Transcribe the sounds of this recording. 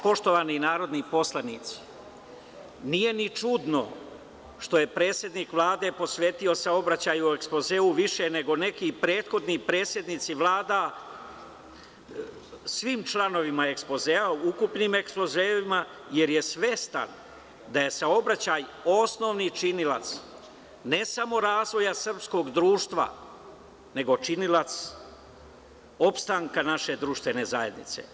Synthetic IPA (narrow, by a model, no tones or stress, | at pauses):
po̞ʃt̪o̞ʋaninaːɾo̞d̪nipo̞slˠanit̪si̥ | nije̞nit͡ʃud̪no̞̰ | ʃt̪o̞je̞pɾe̞ːt̪sʲje̞d̪niːkʋlˠaːd̪e̞po̞sʋe̞ːt̪io̞sao̞bɾat͡ɕajuoeksplo̞zeːuʋiʃene̞ɡo̞ne̞kipɾe̞ːt̪xo̞d̪nipɾe̞ːt̪sje̞d̪nit̪siʋlaːd̪a | sʋiːmt͡ʃlˠano̞ʋimae̞kspo̞zeauukupnime̞ksplo̞zeːʋima | je̞ɾje̞sʋe̞st̪a̰n | d̪aje̞sao̞bɾat͡ɕajo̞sno̞ʋnit͡ʃinila̰t̪s | ne̞samo̞ɾaːzʋo̞jasr̩psko̞ɡd̪ɾuːʃt̪ʋa̰ | ne̞ɡo̞t͡ʃinilat̪s | o̞pst̪aŋkanaʃe̞d̪ɾuʃt̪ʋe̞ne̞zaje̞d̪nḭt̪se̞̰